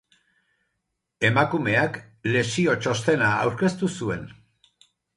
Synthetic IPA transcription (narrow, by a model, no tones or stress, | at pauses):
e̞makume̞ak | le̞sio̞t͡ʃo̞st̪e̞naːwɾke̞st̪usue̞n